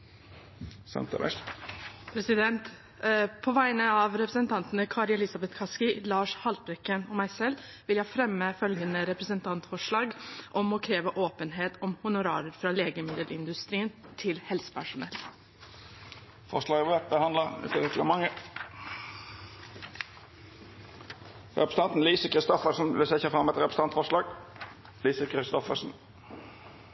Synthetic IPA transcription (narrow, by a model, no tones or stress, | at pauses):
sɛ̰nt̪ʰə̰ʋɛ̰ʂ | pʰɾɛsɪd̪ɛnt̪ | pʰɔʋæɪnəɑʋɾɛpɾəsənt̪ʰɑnt̪ənəkʰɑːɾɛlɪsɑbɛt̪kʰɑskɪlɑːʂhɑlt̪̚bɾɛkːənɔmæɪsɛlː | ʋɪljæɪfɾɛmːəfœlɡənəɾɛpɾəsənt̪ʰɑnt̪fɔʂɭɑːɡʔɔmɔkʰɾeːʋəʔoːpənɦeːt̪ʰɔmhʊnʊɾɑ̰ːɾəɾfɾɑleːɡəmɪd̪əlɪnd̪ʉst̪ɾiːnt̪ʰɪlhɛlsə̥pʰæʂʊnɛ̰l | fɔʂlɑːɡʋeːp̚bəhɑnəʉ̰t̪ʰət̪ɛt̪ləmɑŋːə | ɾɛpɾəsəɑnt̪n̩liːsəkʰɾɪst̪ɔfəʂn̩ʋɪsɛɪçɑfʁɑmːɛt̪ɾɛpɾəsəɑnt̪fɔʂlɑːɡ | liːsəkʰɾɪst̪ɔfə̰sn̩